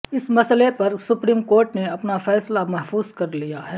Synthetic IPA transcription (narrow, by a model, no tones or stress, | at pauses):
ɪsmɐslepɐɾsʊpɾiːmkoːɾʈneɐpnafɛːslamɛɦfuːzkɐɾlijaɦɛː